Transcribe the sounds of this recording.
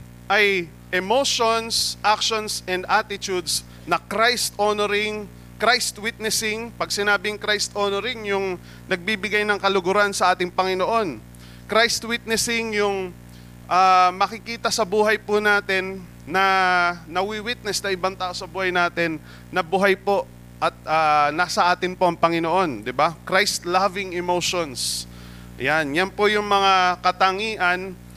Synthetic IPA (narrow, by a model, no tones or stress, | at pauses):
ʔɐj | ʔɛmoʃonsʔakʃonsɛnd̪ʔat̪ɪt̪ud̪s | nɐkɾajst̪ʔonoɾɪŋ | kɾajst̪wit̪̚nɛsɪŋpɐɡ̚sɪnaːbɪŋkɾajst̪ʔonoɾɪŋjʊŋ | nɐɡ̚biːbɪɡajnɐŋkɐlʊɡʊɾansɐʔaːt̪ɪŋpɐŋɪnoʔo̞n | kɾajst̪wit̪̚nɛsɪŋjʊŋ | ʔamɐkɪkiːt̪ɐsɐbuːɦɐjpʊnaːt̪ɛnː | ɐnɐwiwit̪̚nɛsnɐŋʔɪbaŋt̪aːʔo̞sɐbuːhɐjnaːt̪ɛnː | ɐbuːɦɐjpo̞ʔ | ʔɐt̪̚ʔaːnasɐʔaːt̪ɪnpo̞ʔɐŋpɐŋɪnoʔo̞nd̪ɪbakɾajst̪lavɪŋɛmowʃons | ʔɐ̰janjɐnpojʊŋmɐŋakɐt̪ɐŋiːʔɐn